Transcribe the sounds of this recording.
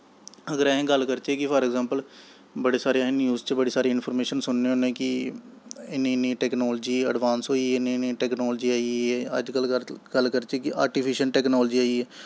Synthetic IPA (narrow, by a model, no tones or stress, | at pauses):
əɡəɾɛ̃ːɡəlkəɾt͡ʃeːkɪpʰəɾɛɡzãːmpəl | bəɽeːsaːɾejaːnjuːzt͡ʃbəɽeːsaːɾeːɪnpʰɔɾmeːʃənsʊnːeːõːnẽːkɪ | ɪnẽːniːʈɛːknoːld͡ʒiːə̰ɖʋaːnsɦoːiɛɪneːniːʈɛːknɔːld͡ʒiːaːiɛːə̰d͡ʒkəlɡ̥əlkəɾt͡ʃeːkɪʔa̰ːɾʈiːpʰɪʃənʈɛːknɔːld͡ʒiːaːiɛː